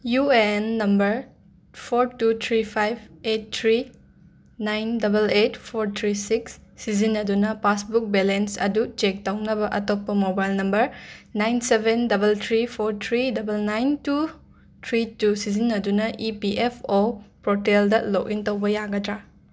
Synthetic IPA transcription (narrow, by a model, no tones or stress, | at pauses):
juenːɐmbɐɾ | pʰoɾtutʰɾipʰajb̚et̚tʰɾi | najndɐbeletpʰoɾtʰɾisiksːizinːɐdunɐpasbuk̚belensɐ̰dut͡ʃek̚tɐwnɐbɐʔɐtopːɐmobajlnɐmbɐɾnajnsebʱendɐbɐlt̪ʰɾipʰoɾtʰɾidɐbɐlnajntu | tʰɾitusizinːɐdunɐʔipiʔepʰopɾoteldɐlokintɐwbɐjaɡɐtɾa